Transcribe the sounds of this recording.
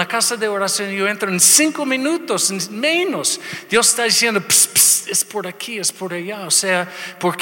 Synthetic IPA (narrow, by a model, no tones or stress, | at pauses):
akasaðeoɾasjõnjoent̪ɾoensĩŋkominut̪osenmenosd̪̥jose̥st̪aðisjend̪opspsespoɾakʰiespoɾajaoseapoɾk